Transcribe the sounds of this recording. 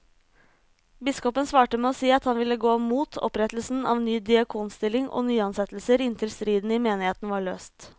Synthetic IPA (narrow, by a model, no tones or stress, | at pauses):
bɪskɔpənsʋɑːʈəmɛːoːsiːɑt̪hɑnʋɪlːəɡoːmuːt̪ʰɔ̰pɾɛt̪əl̩sn̩ɑ̰ːʋnyːd̪ɪɑkʰuːnst̪ɪlɪŋo̰ːnyːɑnsɛt̪l̩səɾɪnt̪ʰɪlst̪ɾiːd̪n̩ɪmeːnɪheːt̪n̩ʋɑːɭøːst̪